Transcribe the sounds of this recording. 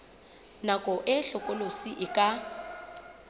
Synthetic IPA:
nakʼɔʔɪɬɔkʼolosiʔɪkʼa

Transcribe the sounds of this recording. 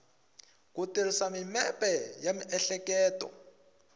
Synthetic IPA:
kutirisamimɛpʼɛjamiʔɛɬɛkɛːtɔ̰

